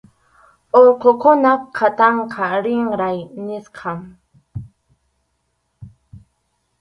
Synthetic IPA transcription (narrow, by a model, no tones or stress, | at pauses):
oɾqokʊnaqʰɑt̪ɑɴqʰɑɾɪɴɾajnɪsqʰɑm